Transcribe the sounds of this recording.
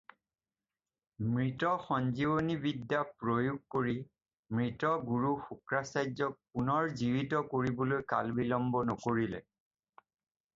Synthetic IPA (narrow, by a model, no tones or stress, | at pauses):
mɹitɔxɔnzibonibidːjapɹojuɡ̚koɹi | mɹitɔɡuɹuxukɹasajzɔk̚punɔɹziwitɔkoɹibɔlojka̰lbilɔmbɔnɔkoɹilɛ̰